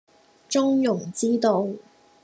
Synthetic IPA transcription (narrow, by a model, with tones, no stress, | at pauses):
t͡ʃʊ˥ŋjʊ˨˩ŋt͡siː˥t̪o˧w